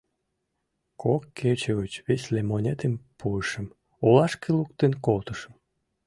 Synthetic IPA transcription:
kʰokʰːet͡ɕeɣət͡ɕβesʲlemonʲet̪empʰuəʃəm | olɑʃkeluk̚t̪enkolt̪əʃə̥m

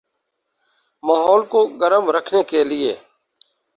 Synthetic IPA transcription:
maːɦɔːlkoːɡəɾəmɾəkʰneːkeːlɪḛː

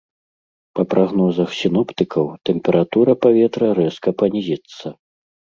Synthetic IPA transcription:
pɐpɾʔaɣnɔzɐxsʲinɔpt̪ɨkʰɐwt̪ɛmpʲɛɾat̪uɾɐpavʲɛt̪ɾɐɾɛskɐpanʲizʲit̪sːɐ

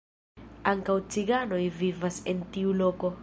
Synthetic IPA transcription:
aŋkawt͡siɡano̞jvivasentiulo̞ko̞

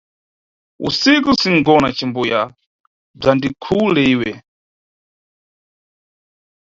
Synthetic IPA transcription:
ṵsikusiŋ̩ɡɔnat͡ʃimbuja | b͡ʐandikʰulɛiːwɛ

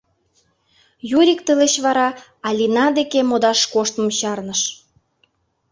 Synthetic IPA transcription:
juɾʲikt̪əleɕβɑɾɑ | ɑlʲinɑd̪ekemod̪ɑʃkoʃt̪mə̆mɕɑrnəʃ

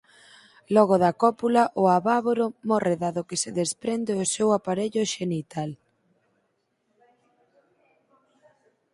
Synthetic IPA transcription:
lɔɣ̞oðɐkɔpulaʔʊaβaβoɾomɔreðaðʊkeseðespɾend̪eʊsewapaɾeʎʊʃenit̪al

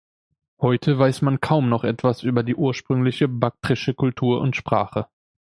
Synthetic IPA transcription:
hɔʏtʰəvaɪsmankʰaʊmnɔχʔɛtv̥asʔyːbɐdiːʔuːɐʃpʁ̥ʏŋlɪçəbak̚tʁɪʃəkʰʊltʰuːɐʔʊ̰ntʃpʁ̥a̰ːχə

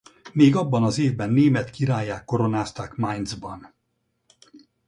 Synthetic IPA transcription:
meːɡɒbːɒnɒzeːvbɛnːeːmɛt̪kiɾaːjːaːkːo̞ɾo̞naːst̪aːkmajnzbɒn

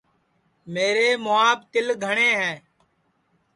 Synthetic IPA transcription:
meːɾeːmʊaːbt̪ɪlɡʱəɳeːɦɛ̃ː

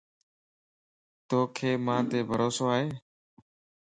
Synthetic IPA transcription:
t̪oːkʰeːmãːt̪eːbʱəɾoːsoːaːɦeː

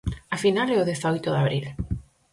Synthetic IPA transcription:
afinalɛoðɛθaɔjt̪ʊðaβɾil

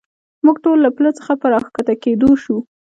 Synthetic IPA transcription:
muɡʈolːaplət͡sə̥xapəɾɑxkat̪aked̪oʃu

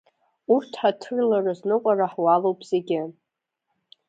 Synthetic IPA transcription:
urtʰħatʰɨrlarɨznɨqʷʼaraħwalowpʰʼz̥eɡʲɪ

